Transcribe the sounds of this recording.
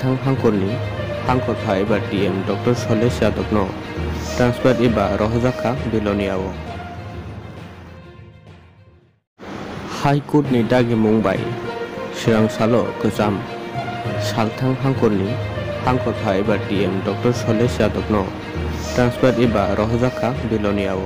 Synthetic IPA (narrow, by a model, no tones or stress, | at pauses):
t̪ʰaŋɦaŋkɔɾni | haŋkɔt̪ʰaibaɾtiɛmdɔk̚tɔɾsɔlesijad̪ɔk̚nɔtɾanspʰɛɾtibaɾʔɔɦɔd͡ʒakʰabilɔnijawɔ | hajkuʈ̚nitaɡɛmuŋba̰j | siɾaŋsalɔkɯt͡ʃam | salt̪ʰaŋɦaŋkɔɾnihaŋkɔt̪ʰaebaɾʈiɛmdɔk̚ʈɔɾsɔlesjad̪ɔk̚nɔ | ʈɾanspʰɛɾtibaɾʔɔɦɔzakʰabilɔnijawɔ